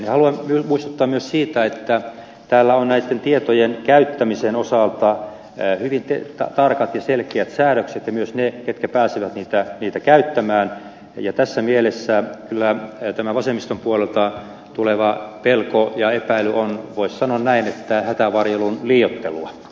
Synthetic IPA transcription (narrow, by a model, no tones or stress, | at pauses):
nihɑluɑmmymuist̪u̥t̪ːɑːmmyøssiːt̪æet̪ːæ | t̪æːlːæonnæit̪ːent̪iet̪ojenkæyt̪ːæmisenosɑlt̪ɑ | hyʋint̪et̪ɑ̰t̪ɑrkɑt̪jɑselkeæt̪sæːɾøkset̪jɑmyøsneket̪̚kæpæːsiʋæt̪niːt̪æniːt̪ækæyt̪ːæmæːn | jɑt̪æsːæmielesːækylːæt̪æmæʋɑsemːist̪ompuolelt̪ɑ | t̪uleʋɑpelkojɑepæilyʔonʋoissɑnoɑnnæinet̪ːæhæt̪æʋɑrjelunliːjot̪ːḛlṵɑ̰